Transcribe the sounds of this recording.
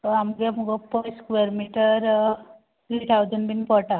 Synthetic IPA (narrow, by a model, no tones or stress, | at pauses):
amuɡemuɡopojskʋeɾmiʈəɾ | t̪ɾiːt̪ʰawd͡ʒɐnbinpɔʈa